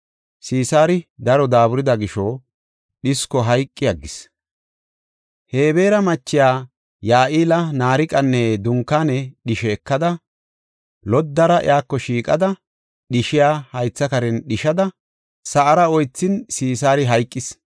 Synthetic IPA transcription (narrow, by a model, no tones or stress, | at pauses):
siːsaːɾɪd̪ɐɾɔd̪aːbʊɾɪd̪ɐɡɪʃɔ | ɗɪskɔɦɐjkʼːɪjɐɡːɪs | he̞ːbe̞ːɾɐmɐt͡ʃːɪjaː | jaːʔiːlɐnaːɾɪkʼɐnːɛd̪ʊŋkːaːnɛɗɪʃɛːkːɐd̪ɐ | lɔd̪ːɐɾɐʔɪ̰jaːkːɔʃiːkʼɐd̪ɐ | ɗɪʃɪjaːhɐjt͡sːɐkɐɾɛnɗɪʃɐd̪ɐ | sɐʔɐɾɐɔjt͡sːɪnsiːsaːɾɪɦɐjkʼːɪs